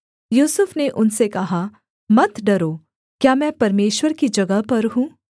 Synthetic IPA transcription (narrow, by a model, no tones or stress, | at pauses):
juːsʊfneʔʊnsekɐɦa | mɐt̪ɖɐɾoː | kjaːmɛ̃ːpɐɾmeːʃwəɾkid͡ʒɐɡəpɐɾɦũː